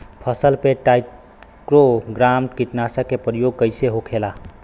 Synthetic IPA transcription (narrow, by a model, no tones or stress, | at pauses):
pʰəsəlpeʈaj | kɾoɡɾamʈkit̪nasəkepɾəjoɡ̚kəjseɦokʰela